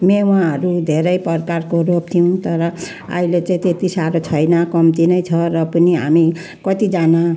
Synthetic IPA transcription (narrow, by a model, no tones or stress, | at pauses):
mew̃ãɦʌɾud̪ʱeɾʌjpʌrkarkoɾop̚t̪ʰijũt̪ʌɾʌ | a̰ilet͡sãĩt̪et̪isaɾot͡sʰʌjnʌkʌmt̪inʌjt͡sʰʌɾʌpʌniɦami | kʌt̪id͡zana